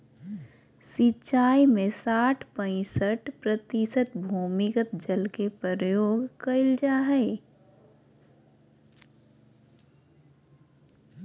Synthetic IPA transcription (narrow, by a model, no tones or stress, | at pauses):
sɪt͡ʃʃaːimẽsaːʈʰpə̃ɪ̃səʈpɾət̪isət̪bʱuːmɪkət̪̚d͡ʒəlkepəɾəjoːɡkəɪld͡ʒaːɦɛɪ